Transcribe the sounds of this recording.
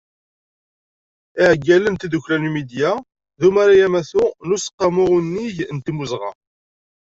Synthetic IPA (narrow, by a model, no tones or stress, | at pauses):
ɪʕɡːælənt̪id̪uçlænumid̪jæ | ðumaɾajæmæθunusə̥qːɑmʊʁunːiʝnt̪imuzʁɑ̰